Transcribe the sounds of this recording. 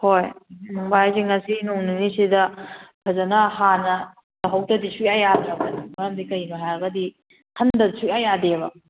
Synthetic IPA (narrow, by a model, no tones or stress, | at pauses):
hojmaŋbajziŋɐsinoŋninisidɐpʰɐzɐnɐhanɐ | dɐɦɐwtɐdisujajadɾɐkːɐnɐmɐjamdikɐjmɐɦaɾɡɐdi | kʰɐndɐdsujajadeβɐ̰